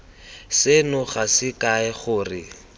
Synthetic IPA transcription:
sɪnʊχasɪkaɛχʊːrɪ

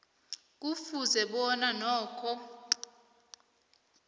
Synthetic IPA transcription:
k̬ʼufuzɛɓɔnanɔːkʰɔ

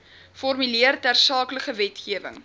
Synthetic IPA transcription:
fɔrmyliərtærsɑːkləχəvɛtχiəvə̰ŋ

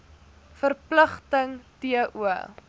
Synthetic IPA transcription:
fərpləχtəŋtiəʔuə

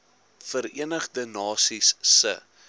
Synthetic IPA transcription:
fəɾiənəχdənɑːsisːə̰

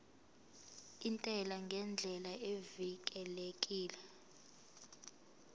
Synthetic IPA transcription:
intʼɛlaŋɡʱɛnd͡ɮʱɛlaevik̬ʼɛlekʼiːlɛ

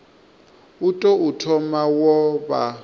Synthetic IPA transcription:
utʼɔutʰɔmawɔβa

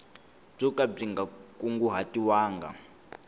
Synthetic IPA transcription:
b͡ʐukʼab͡ʐiŋɡakʼuŋɡuɦatʼiwaːŋɡa̰

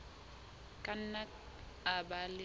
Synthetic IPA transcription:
kʼan̩na | abalɪ

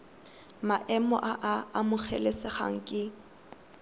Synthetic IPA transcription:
maʔɛmɔ̰ʔaʔaamʊk͡xʰɛlesɪχa̰ŋ̩kʼɪ

